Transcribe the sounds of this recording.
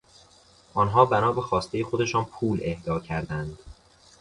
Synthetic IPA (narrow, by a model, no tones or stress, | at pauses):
ʔɒːnɦɒːbænɒːbexɒːst̪e̞jexod̪e̞ʃɒːnpʰuːle̞hd̪ɒːcʰæɾd̪ænd̪̥